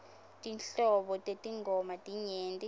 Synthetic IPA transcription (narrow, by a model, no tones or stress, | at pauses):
tʼinɬɔɓɔtʼetʼiŋɡʱɔmatʼiɲeːntʼi